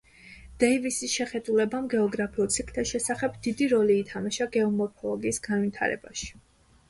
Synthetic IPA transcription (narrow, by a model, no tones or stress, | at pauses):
d̪̥ɛivisisʃɛχɛd̪ulɛbamɡɛɔɡɾapʰiulˠt̪sʰikʰt̪ʰaʃɛsaχɛbd̪id̪iɾɔliːt̪ʰamaʃaɡɛɔmɔɾpʰɔlɔɡiːsɡ̥anvit̪ʰa̰ɾɛ̰ba̰ʃi̥